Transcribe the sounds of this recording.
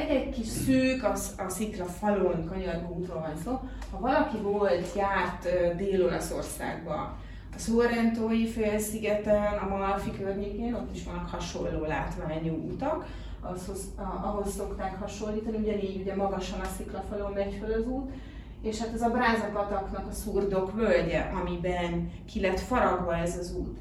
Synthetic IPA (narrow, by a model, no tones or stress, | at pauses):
ɛɟɛckiʃsøːkɒ | ɒsiklɒfɒlonkɒɲɒrɡuːt̪roːlvɒnsoː | hɒvɒlɒkivolt̪jaːrt̪ød̪eːlo̞lɒso̞̰rsa̰ːɡ̚bɒ̰ | ɒsoɾɛnt̪oːjifeːlsiɡɛt̪ɛnɒmɒlfikørɲeːkeːno̞t̪ːiʃʋɒnːɒkhɒʃo̞lːoːlaːt̪ʋaːɲuːʔut̪ɒk | ɒshoz | ʔɒɦo̞sːo̞kt̪aːkhɒʃo̞lːiːt̪ɒniuɟɛniːɟuɟɛmɒɡɒʃɒnɒsiklɒfølombɛcfølɒzuːt̪ | eːʃhat̪ɛzɒbraːzɒpɒt̪ɒknɒkɒsuːrd̪o̞kbølɟɛʔɒmibɛnkʰilɛt̪fɒɾɒɡbɒlɛzɒzuːt̪